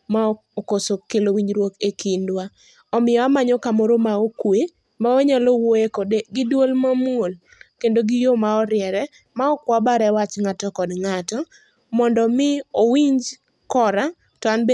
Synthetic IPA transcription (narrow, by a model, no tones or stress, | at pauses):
ma | okosokelowiɲd͡ʒɾwokekindwa | ɔmɪɔamaɲɔkamoɾomaokwe | maoɲalowoekodeɡɪdwolmamwol | kendoɡɪjomaɔɾɪjɛɾɛ | maɔkwabaɾɛwat͡ʃŋatɔkɔdŋatɔ | mɔndɔmɪowiɲd͡ʒ | kɔɾa | tɔanbe